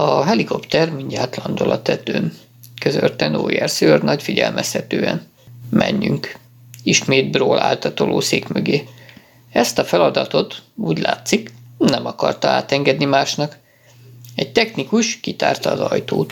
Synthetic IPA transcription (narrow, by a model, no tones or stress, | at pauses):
ɒɦɛliko̞pt̪ɛrmiɲɟaːt̪lɒnd̪olʔɒt̪ɛt̪øːn | køzørt̪ɛno̰ːjɛrsørnɒcfiɟɛlmʔɛshɛt̪øːɛ̰n | mʔɛ̰ɲːyŋk | iʃmeːd̪broːlʔa̰ːlt̪ɒt̪olʔoːseːkmøɡeː | ɛst̪ɒfɛlɒd̪ɒt̪o̞t̪uːɟlaːt̪siknɛmɒkɒrt̪ɒa̰ːt̪ɛŋɡɛd̪nimaːʃnɒk | ɛɟ̚t̪ɛxnikuʃkit̪a̰ːrt̪ɒːzɒjt̪oːt̪